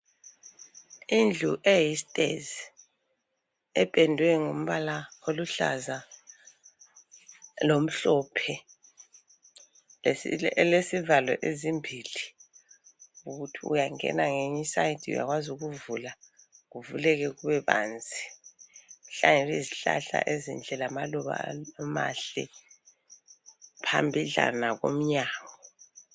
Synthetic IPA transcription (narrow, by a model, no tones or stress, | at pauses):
ind͡ɮʱuʔejistʼḛzi | ɛpʼɛndʱwɛŋom̩βalaoluɬa̰za | lom̩ɬɔpʰɛ | lesivalwɛ̰ʔezimbʱili | uɣutʰiṵjaŋɛ̰naŋeɲisaitʰiṵja̰ɣwazuɣuvula | ɣuvulɛɣɛɣuβɛβa̰ːnd͡zʱi | uɬaŋeliziɬa̰ɬa̰ʔezḭnd͡ɮʱɛlamalɔβa̰ma̰ɬɛ̰ | pʰambʱiɮa̰naɣo̰m̩ɲaːɣɔɔ